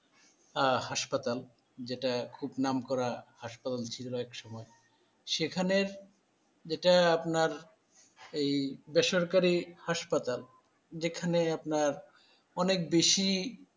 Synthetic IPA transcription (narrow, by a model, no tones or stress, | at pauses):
ahaʃpat̪al | d͡ʑeʈakʰubnamkɔɾahaʃpat̪alt͡ɕʰit̪loɛkʃɔmɔe | ʃekʰaneɾ | d͡ʑeʈaapnaɾ | ejbeʃoɾkaɾihaʃpat̪al | d͡ʑekʰaneapnaɾ | ɔnek̚beʃi